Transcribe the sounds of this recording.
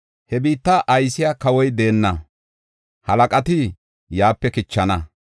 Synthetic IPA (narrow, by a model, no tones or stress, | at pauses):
hɛbiːt̪ːaʔɐjsɪjaːkɐwɔjd̪e̞ːnːɐ | hɐlɐkʼɐt̪ɪ | jaːpːɛkɪt͡ʃːɐnɐ